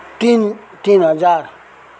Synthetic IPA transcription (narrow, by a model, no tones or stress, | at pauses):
t̪in | t̪inhad͡ʒaɾ